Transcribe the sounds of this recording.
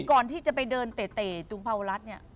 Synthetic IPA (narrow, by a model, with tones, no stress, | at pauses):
kɔː˨˩nt̪ʰiː˥˩t͡ɕa˨˩pa˧jdɤː˧nt̪eː˨˩t̪eː˨˩t͡ɕ̪u˧˩˦ŋpʰaː˧wa˧ɾa˦˥t̪̚ni˥ɐ